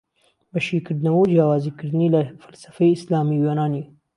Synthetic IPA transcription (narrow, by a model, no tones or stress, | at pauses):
bɐʃiːkɨɾd̪nɐwɐwd͡ʒjaːwaːzikɨɾd̪ɨniːlɐfɐ̥lsɐ̥fɐjɪslaːmiweːnaːni